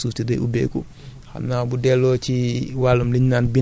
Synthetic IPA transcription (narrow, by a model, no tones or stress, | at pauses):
suːftidɛʔubɛ̰ːkṵ | ha̰mnabudɛlːɔt͡ʃiwalumliɲnaːnbi